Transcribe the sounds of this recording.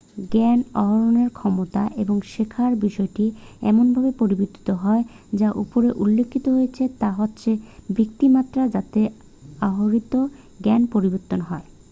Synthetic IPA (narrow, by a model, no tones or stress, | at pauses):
ɡɛnɔɦoɾoneɾkʰɔmot̪aʔeboŋʃekʰaɾbiʃɔeʈiɛ̰monbʱabepoɾibot̪ːi̥t̪oɦɔe | d͡ʑaʔupoɾeʔulːekʰːit̪oɦojet͡ɕʰet̪aɦotːɕʰebʱik̚t̪imat̪ːɾad͡ʑat̪e | aɦoɾit̪o | ɡɛnpoɾiboɾt̪ːonɦɔe